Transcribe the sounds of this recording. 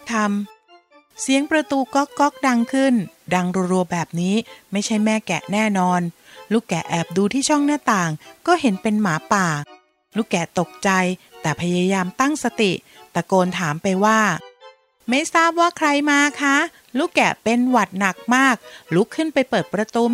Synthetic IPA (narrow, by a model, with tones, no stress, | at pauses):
t̪ʰa˧m | si˨˦əŋpɾa˧t̪uː˧kɔ˦˥kːɔ˦˥k̚da˧ŋkʰɯ˥˩n | da˧ŋɾu˧ɾu˧bɛː˨˩p̚niː˦˥ma˥˩jt͡ɕʰa˥˩jmɛː˥˩kɛ̰˨˩nɛː˥˩nɔː˧nluː˥˩kɛ˨˩ʔɛː˨˩p̚duː˧t̪ʰiː˥˩t͡ɕʰɔ˥˩ŋnɯ˥˩t̪aː˨˩ŋkɔː˥˩ɦe˩˦npe˧nmaː˩˦paː˨˩ | luː˦˥˩kɛ˨˩t̪o˨˩k̚t͡ɕa˧jt̪ɛː˨˩pʰa˧jaː˧jaː˧mt̪a˥˩ŋsa˧t̪i˨˩t̪ɛː˨˩koː˧nt̪ʰaː˩˦mpa˧jwaː˥˩ | ma˥˩jsaː˥˩p̚waː˥˩kʰɾa˧jmaː˧kʰa˦˥ | luː˥˩kɛ̰˨˩pe˧nwa˨˩t̪̚na˨˩k̚maː˥˩k̚lu˦˥kʰːɯ˥˩npa˧jpɤː˨˩t̪̚pɾa˧t̪uː˧